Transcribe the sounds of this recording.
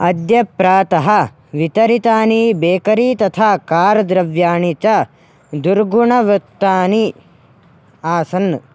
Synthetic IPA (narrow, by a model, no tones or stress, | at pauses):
ɐd̪jɐpːɾaːt̪ɐɦɐ | ʋit̪ɐɾit̪aːnibeːkɐɾiːt̪ɐt̪ʰaːkaːɾd̪ɾɐʋjaːɳit͡ʃɐ | d̪uɾɡuɳɐʋɐt̪ːaːni | aːsɐnː